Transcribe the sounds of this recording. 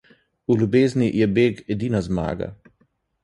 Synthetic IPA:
ulʲjubeːznijɛbeːɡɛd̪iːnazma̰ːɡa̰

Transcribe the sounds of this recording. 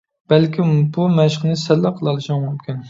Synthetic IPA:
b̥ɛlkʲʰibumɛʃχnɨsɛlːæqʰəlˠɑlˠɨʃɑmumkʲin

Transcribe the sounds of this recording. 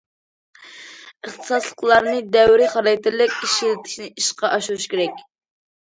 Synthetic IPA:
əχt̪ʰɨ̥sɑslˠəqlˠɑɾnɨd̪ɛwɾɪχɑɾɑjt̪ʰɪɾlɪkʲiʃilɪt̪ʰɪ̥ʃnɪʔiʃqɑʔɑʃuuʃkʲʰeɾɛkʲ

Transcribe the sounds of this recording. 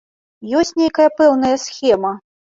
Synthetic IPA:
jɔsʲtʲnʲejkɐjɐpɛwnɐjɐsxʲɛmɐ

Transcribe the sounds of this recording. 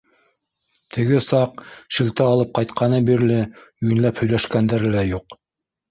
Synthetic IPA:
t̪ʰɘ̆ɡɘsɑqʃɘ̆lt̪ɘɑlˠɤp̚qɑjt̪qɑnɤbiɾlɘɵ̆jɘ̆nlæphɵ̆jlæʃkænd̪æɾɘlæjuq

